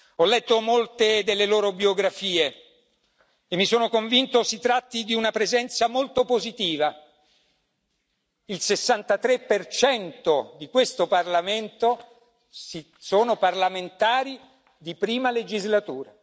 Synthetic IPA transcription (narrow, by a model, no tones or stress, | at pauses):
ɔlːɛt̪ːomolt̪ed̪elːeloːɾobjoɡɾafiːe | emːisoːnokoɱvint̪osit̪ɾat̪ːid̪iunapɾezɛnt̪samolt̪opozit̪iːva | ilsesːant̪at̪ɾepːert͡ʃɛnt̪od̪ikwest̪oparlament̪o | si | soːnoparlament̪aːɾi | d̪ipɾiːmaled͡ʒizlat̪uːɾa